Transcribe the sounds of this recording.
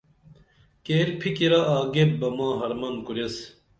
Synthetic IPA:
keːɾpʰikiɾɐʔaːɡep̚bɐmãːɦɐɾmɐnkuɾjɐs

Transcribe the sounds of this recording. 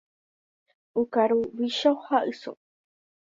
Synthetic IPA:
ukaɾuwiʃahaʔɨso̰

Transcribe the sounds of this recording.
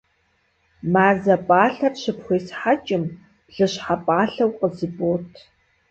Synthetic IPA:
maːzɐpʼaːɬɐrɕɪpxʷeːsħat͡ʃʼɪm | ɮɨɕħapʼaːɬɐwqəzɨbʼoːtʰ

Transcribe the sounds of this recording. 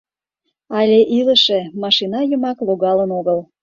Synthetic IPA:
ɑlʲeʔiləʃemɑʃinɑjəmɑkloɣɑlənoɣəl

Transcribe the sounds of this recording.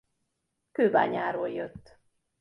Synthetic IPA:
køːba̰ːɲaːɾoːljøt̪ː

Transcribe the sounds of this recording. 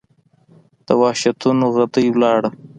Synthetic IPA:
d̪̥əwɑʃat̪unoɣad̪əjwlɑɽə

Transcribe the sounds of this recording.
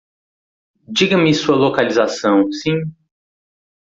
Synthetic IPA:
d͡ʒiɡɐmɪsuɐlokalizasɐ̃w̃sĩ

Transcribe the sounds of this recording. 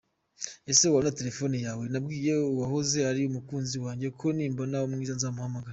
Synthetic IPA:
e̞se̞wanate̞ɾe̞fo̞ːnijaːwe̞nabɡiːjeuwaɦoze̞aɾiumukuːnziwaːɲɟe̞kʰo̞niːmbo̞naoumŋiːzanzamuhamaɡaɾa

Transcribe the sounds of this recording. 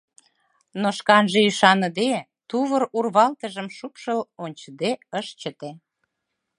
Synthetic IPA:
noʃkɑnʒeyʃɑnəd̪e | t̪uβərurβɑlt̪əʒəmʃupʃəlonʲt͡ɕəd̪eəʃt͡ɕət̪e

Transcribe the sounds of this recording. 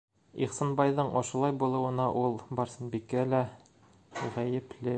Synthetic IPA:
ḭχsɑnbɑjðɤɴɒʃɤ̆lˠɑjbulˠɤ̆wɤ̆nɑʔulˠbɒɾsɤ̆nbikælæ | ʁæjɘ̆plɘ

